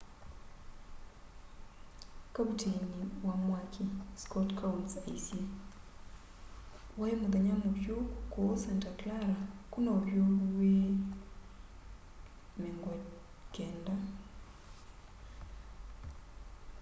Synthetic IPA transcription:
kaβuteniwamwakʰiskotkʰaunsaisje | waemuðaɲamuβjokowosentaklaɾakunooβjoβwe | meŋɡwa | keːnda

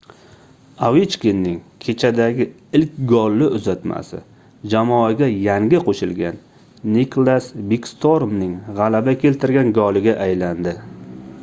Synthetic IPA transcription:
awit͡ʃkʲɪnːɪŋkʲʰe̞t͡ʃʰad̪aɡʲɪ | ɪlkʲɡɒlːɪʔʊzat̪ma̰sɪ̰ | d͡ʒamɒaɡʲajaŋɡʲɪqʰoʃɪlɡʲanː | ikʰlˠasbikst̪ʰoɾmnɪŋʁɑlabakʲʰe̞lt̪ʰɪɾɡʲanɡɒlɪɡʲaʔajland̪ɪ

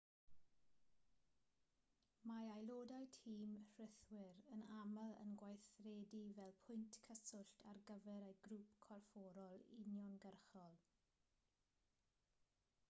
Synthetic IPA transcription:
maajlˠoːdajtʰiːmr̥ɪθwɪɾənaməlˠə̰nɡwajθreːdivɛlˠpʰʊjntkʰəsʊɬtʰarɡəvɛɾejɡɾuːpkʰɔrfɔːɾɔlˠɪ̰njɔnɡərχɔlˠ

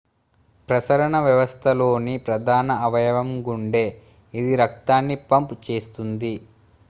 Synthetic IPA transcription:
pɾɐsɐɾɐɳɐʋjɐʋɐst̪ʰɐlo̞ːnipɾɐd̪ʱaːnɐɐʋɐjɐʋɐmɡuɳɖe̞ː | id̪iɾɐkt̪aːnːipɐmpt͡ʃe̞ːst̪und̪i

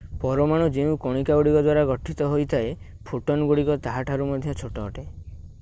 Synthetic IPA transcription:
pɔɾɔmaɽ̃ɔd͡ʒeũkɔɽ̃ikauɽikɔd̪waɾaɡɔʈʰit̪ɔɦojt̪ʰae | pʰuʈɔnɡuɽikɔt̪aɦaʈʰaɾumɔd̪ʱjɔt͡ʃʰoʈɔːʈe

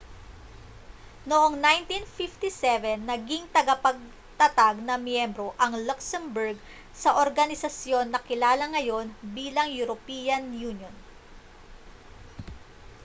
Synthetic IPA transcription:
noʔoŋnajnt̪infift̪isɛvɛnːɐɡiŋt̪ɐɡɐpɐɡ̚ | t̪ɐt̪aɡ̚nɐmjɛmbɾo̞ʔɐŋlʊksɛmbʊɹɡ̚ | sɐʔoɾɡɐnɪsɐsjo̞nːɐkɪlaːlɐŋɐjo̞nbiːlɐŋjuɾopiːjɐnjunjon

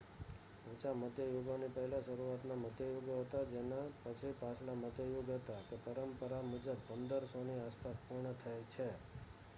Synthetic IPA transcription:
ũt͡ʃaməd̪ʱjəjoɡonipəɦɛlaʃəɾuat̪naməd̪jəjoɡoɦət̪ad͡ʒenapət͡ʃʰipasʰlaməd̪jəjoɡɦət̪akepəɾəmpəɾamud͡ʒəbːʱəmd̪əɾsoniaspaspuɾɳət̪ʰəjt͡ʃʰe

